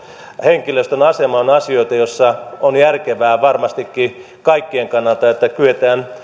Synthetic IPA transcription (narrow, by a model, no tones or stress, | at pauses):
heŋkiløst̪ønɑsemɑonɑsioit̪ɑjosːɑonjærkeʋæːʋɑrmɑst̪ikːi | kɑikːieŋkɑnːɑlt̪ɑet̪ːækyet̪æːn